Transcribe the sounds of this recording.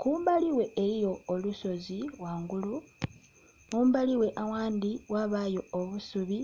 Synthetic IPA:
kuːmbaliwe̞eɾijo̞ːluso̞ziwaːŋɡulu | kuːmbaliwe̞ʔawaːndiwaβajo̞ːβusuβi

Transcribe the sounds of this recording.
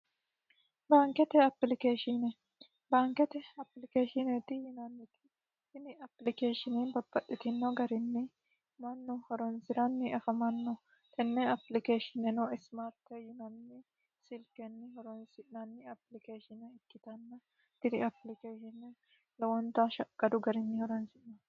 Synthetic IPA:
baːŋkɛt̪ɛɐplɪkeːʃɪnɛ | baːŋkɛt̪ɛɐpːlɪkeːʃɪnɛt̪ɪjɪnɐnːɪt̪ɪ̥ | hɪnɪɐplɪkeːʃɪnɪnbɐbːɐʔɪt̪ɪnːɔɡɐɾɪnːɪ | mɐnːʊhɔɾɔnsɪɾɐnːɪɐfɐmɐnːɔ | t̪ɛnːɛɐplɪkeːʃɪnɛnɔɪsmaːɾt̪ːɛjɪnɐnːɪ | sɪlkɛnːɪhɔɾɔnsɪʔnɐnːɪɐplɪkeːʃɪnɛɪkːɪt̪ɐnːɐ | t̪ɪd̪ɪɐplɪkeːʃɪnɛ | lɐwɔnt̪ɐʃɐkʼːɐd̪ʊɡɐɾɪnːɪhɔɾɔnsɪnnɔ

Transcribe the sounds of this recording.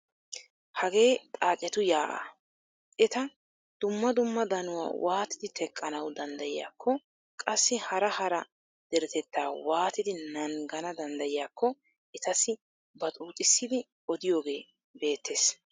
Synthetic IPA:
hɐɡe̞ːt̪ʼaːt͡ʃʼːɛt̪ʊjaːʔa̰ː | ʔɛt̪ɐ | d̪̥ʊmːɐd̪ʊmːɐd̪ɐnʊwa̰ːwʔaːt̪ɪd̪ɪt̪ɛkʼːɐnɐwd̪ɐnd̪ɐjɪja̰ːkʰːɔ | kʼɐsːɪhɐɾɐhɐɾɐ | d̪̥ɛɾɛt̪ɛt̪ːaːwaːt̪ɪd̪ɪnɐŋɡɐnɐd̪ɐnd̪ɐjɪjaːkːɔ | ɛt̪ɐsɪ | bɐt̪ʼuːt̪ʼɪsːɪd̪ɪ | ɔd̪ɪjo̞ːɡe̞ː | be̞ːt̪ʰːeːs

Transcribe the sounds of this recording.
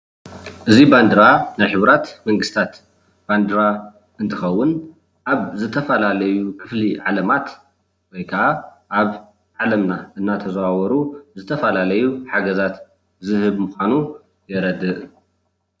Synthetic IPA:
ʔɨziband̪ɾanajħɨβɾat̪mɐŋɡɨst̪ʰat̪ | b̥and̪ɾa | ɨnt̪ʰɨxɐwːʊn | ʔaβzɨt̪ʰɐfɐlalɐjukʰɨfliʕalɐmat̪ | wɔjkʰɐʔa | ʔaβ | ʕalɐmnaʔɨnːat̪ʰɐzɐawɔɾuzɨt̪ʰɐfɐlalɐjuħaɡɐzat̪ | zɨhɨβmuxʷanu | jɛɾɐd̪ɨʔ

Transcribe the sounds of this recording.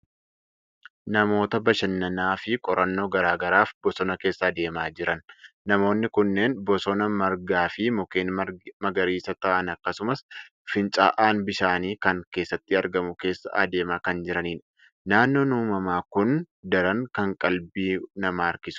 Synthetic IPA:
nɐmo̞ːt̪ɐbɐʃɐnːɐnaːfɪkʼɔɾʔɐnːo̞ːɡɐɾaːɡɐɾaːfbɔsɔnɐke̞ːsːɐɐd̪e̞ːmaːd͡ʒɪɾʔɐnːɐmo̞ːnːɪkʊnːe̞ːnbɔsɔnɐmɐɾɡaːfɪmʊkeːnmɐɡɐɾiːsɐt̪ɐʔɐnɐkːɐsʊmɐs | fɪnt͡ʃʼa̰ːʔaːnbɪʃaːniːkɐŋke̞ːsːɐt̪ːɪɐɾɡɐmʊke̞ːsːɐ̰ʔɐd̪e̞ːmaːkɐnd͡ʒɪɾɐniːn | naːnːo̞ːnuːmɐmaːkʊn | d̪ɐɾɐŋkɐŋkʼɐlbiːnɐmaːɾkɪsʊ̥

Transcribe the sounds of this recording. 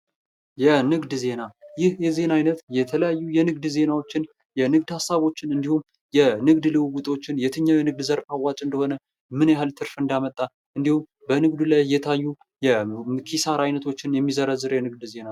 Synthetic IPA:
jɛnɨɡd̪ze̞najɪhjɛze̞najnət̪jɛt̪ʰələjajːujɛnɨɡd̪ze̞nawo̞t͡ʃːɪn | jɛnɨɡ̚d̪hasːaβo̞t͡ʃːɪnɨnd̪ihum | jɛnɨɡd̪lɨwwut̪ʼo̞t͡ʃːɪnjɛt̪ʰɨɲːawjɛnɨɡ̚d̪zəɾpawːat͡ʃʼɨnd̪əho̞nə | mɨnjahɨlt̪ʰɨɾfɨnd̪amət̪ʼːa | ʔɨnd̪ihum | bənɨɡd̪ulajːɛt̪ʰajːu | jɛkʰisaɾajnət̪ʰo̞t͡ʃːɪnjɛmːizəɾəzːɨɾjɛnɨɡ̚d̪ze̞na

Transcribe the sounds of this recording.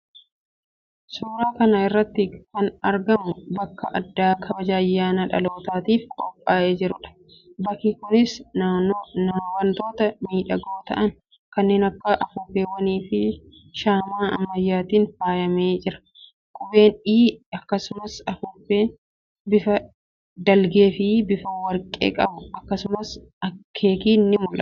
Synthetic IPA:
suːɾaːkɐnɐɪrːɐt̪ːɪkɐnɐɾɡɐmʊbɐkːɐʔɐ̰d̪ːaːkʰɐbɐd͡ʒaːjːaːnɐᶑɐ̰lo̞ːt̪aːt̪iːfkʼɔpʼːaːʔeːd͡ʒɪɾʊᶑɐ̥ | bɐkiːkʊnɪsnaːnːonɐmwɐnt̪o̞ːt̪ɐmiːᶑɐɡoːt̪ɐ̰ʔɐn | kɐnːe̞ːnɐkːɐʔɐfʊːbeːwɐniːfɪ | ʃaːmaːɐ̰mːɐjːaːt̪iːnfaːjɐmeːd͡ʒɪɾɐ̥ | kʼʊbe̞ːniːɐkːɐsʊmɐsɐfʊbeː | bɪfɐ | d̪ɐlɡe̞ːfɪbɪfɐwɐɾkʼḛːkʼɐbʊɐkːɐsʊmɐs | ɐkʰe̞ːkiːnːɪmʊlʔɐ̰

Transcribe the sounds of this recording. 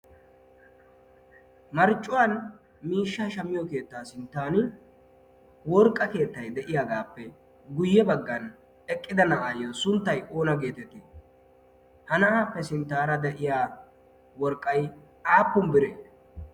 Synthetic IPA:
mɐɾt͡ʃʼːʊwan | miːʃːaːʃɐmːɪjɔke̞ːt̪ːaːsɪnt̪ːaːnɪ | wɔɾkʼːɐke̞ːt̪ːɐjd̪ɛʔɪjaɡaːpːɛ | ɡʊjːɛbɐɡːɐn | ɛkʼːɪd̪ɐnɐʔaːjosʊnt̪ːɐjʔo̞ːnɐɡe̞ːt̪ɛt̪ːe | hɐnɐʔaːpːɛsɪnt̪ːaːɾɐd̪ɛʔɪjaː | wɔɾkʼːɐjʔaːpːʊmbɪɾeː

